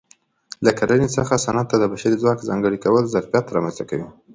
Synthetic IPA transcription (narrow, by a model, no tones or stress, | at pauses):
lakalənet͡səxasanat̪̚ːad̪əbaʃaɾizwɑkzɑŋɡəɽikawəlzaɾfjat̪ːɾɑmanst̪akawi